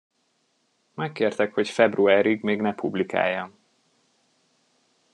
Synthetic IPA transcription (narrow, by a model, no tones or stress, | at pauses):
majkːeːrt̪ɛkho̞cfɛbruaːɾiɡmeːɡnɛpʰublika̰ːjːɒn